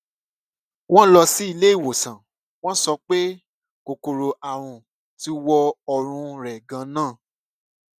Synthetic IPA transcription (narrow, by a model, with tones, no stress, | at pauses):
w̃ɔ̃˦lɔ˧si˦i˧le˦i˦˨wo˨sã˨ | w̃ɔ̃˦sɔ˧˦k͡pe˦ | ko˨ko˨ɾo˧ʔa˨ɾ̃ũ˨ | ti˧˦wɔ˧ɔ˧ɾ̃ũ˧ɾɛ˨ɡã˧˦nãː˦˨